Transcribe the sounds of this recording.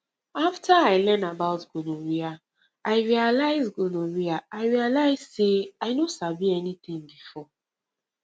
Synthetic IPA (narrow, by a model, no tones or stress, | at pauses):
aftʰaaɪlɛ̃nabaʊtɡ̥onoɹia | aɪɹialaɪzɡonoɹiaaɪɹialaɪz̥seaɪnosabiɛnit̪ĩŋbifɔ